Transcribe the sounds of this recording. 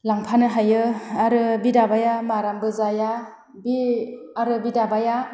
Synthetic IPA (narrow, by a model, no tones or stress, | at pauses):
laŋpʰanɯɦajɯaɾɯbidabajamaɾambɯzaja | biaɾɯbidabaja